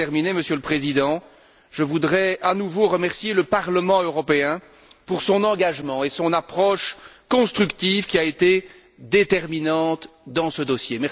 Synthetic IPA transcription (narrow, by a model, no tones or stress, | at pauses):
ɛʁmineməsjøləpχezid̪ɑ̃ | ʒ̥əvud̪ʁɛanuvoʁəmɛʁsjeləpaʁləmɑ̃øʁɔpeɛ̃ | puʁsɔ̃nɑ̃ɡaʒmɑ̃esɔ̃napχɔʃkɔ̃st̪χykt̪ivkʲiaet̪e | d̪et̪ɛʁminɑ̃t̪ | d̪ɑ̃səd̪ɔsjemɛ